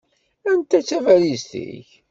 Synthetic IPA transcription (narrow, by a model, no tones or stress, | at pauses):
ænt̪æt͡sːævæɾizt̪ḭç